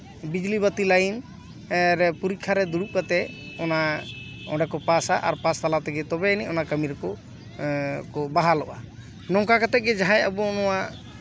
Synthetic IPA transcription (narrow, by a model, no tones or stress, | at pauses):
bid͡ʒlibət̪ilajin | ɾɛpuɾikʰːaɾɛd̪uɽup̚kat̪ɛɔna | ɔ̃ɖɛkɔpasaʔa̰ɾpast̪alat̪ɛɡɛt̪ɔbɛniʔɔnakəmiɾkɔ | kɔbaɦalɔʔa | nɔŋkakat̪ɛɡɛd͡ʒaɦãjabɔɔnɔwaʔ